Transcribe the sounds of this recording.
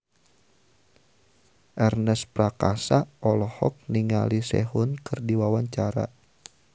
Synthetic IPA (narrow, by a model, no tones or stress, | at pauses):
ʔɛrnɛspɾakasaʔɔlɔhɔ̰k̚niŋa̰lisɛ̰ɦunkɨrdiwawaɲt͡ʃaɾa̰